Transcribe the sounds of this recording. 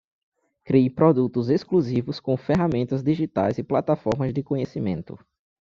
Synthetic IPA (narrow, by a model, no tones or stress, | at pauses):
kɾijpɾɔd̪ut̪ʊzeskluzivʊskõfɛɦamẽnt̪ɐzd̪iʒit̪a̰jzɪplat̪afɔɾmɐzd̪ɪkõɲesimẽnt̪ʊ̰